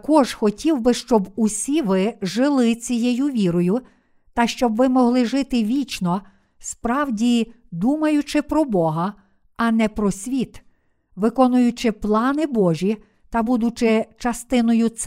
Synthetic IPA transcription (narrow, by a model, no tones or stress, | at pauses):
kɔʒxɔtʲiwbɪʃt͡ʃɔbusʲiʋɪʒɪlˠɪt͡sʲijɛjuʋʲiɾɔjʊ | t̪ɐʃt͡ʃɔbʋɪmɔɦlˠɪʒɪt̪ɪʋʲit͡ʃnɔ | spɾɑwdʲi | d̪umɐjʊt͡ʃɪpɾɔbɔɦɐ | ɐnɛpɾɔsʲʋʲit̪ | ʋɪkɔnʊjʊt͡ʃɪplˠɑnɪbɔʒʲi | t̪ɐbud̪ʊt͡ʃɪt͡ʃɐst̪ɪnɔjʊt̪s